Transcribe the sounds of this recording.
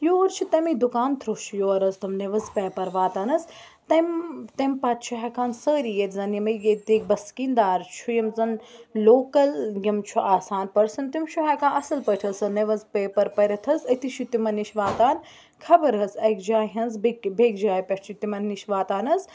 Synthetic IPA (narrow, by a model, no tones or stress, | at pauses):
joːɾt͡ʃʰit̪ɐmid̪ukaːnt̪ʰɾoːt͡ʃʰujoːɾɐzt̪ɐmneʋɐzpɛːpɐɾʋaːt̪aːnɐz | t̪ɐmt̪ɐmpɐt̪t͡ʃʰuɦɛkaːnsəːɾiːjeɾʲzɐnjɐmɐjet̪iːk̚bɐskiːnd̪aːɾt͡ʃʰujɐmzɐnloːkɐlɡʲɐmt͡ʃʰuʔaːsaːnpɐɾsɐnt̪imt͡ʃʰuɦɛkaːʔɐsɐlpəʈʰɐsɐneʋɐzpeːpɐɾpɐɾʲɐt̪ʰɐzɐt̪iʃʰit̪imɐnːiʃʋaːt̪aːn | kʰɐbɐɾɦɐzɐkd͡ʒaːɦɐnzbbeːkd͡ʒaːjpʲɐʈʰt͡ʃʰit̪imɐnːiʃʋaːt̪aːnɐz